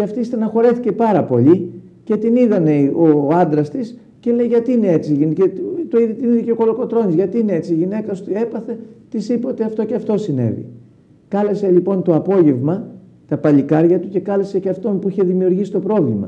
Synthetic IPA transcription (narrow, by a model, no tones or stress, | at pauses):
ceɐft̪ist̪enɐxo̞ɾe̞θice̞pɐɾɐpo̞̰ʎi | ce̞t̪iniðɐne̞oɐnd̪ɾɐst̪is | cele̞jʝɐt̪iːnee̞t͡siʝincet̪oiðit̪iniðiceoko̞lo̞ko̞t̪ɾo̞nizʝɐt̪iːnee̞t͡siʝine̞kɐst̪ue̞pɐθe̞t̪isipoot̪eɐft̪o̞ceɐft̪o̞sinḛvḭ | kɐle̞se̞lipo̞nt̪oɐpo̞ʝe̞vmɐ | t̪ɐpɐʎikɐɾʝɐt̪uce̞kɐle̞seceɐft̪o̞npuiçe̞ðimiuɾʝisi̥t̪o̞pɾo̞vlimɐ̰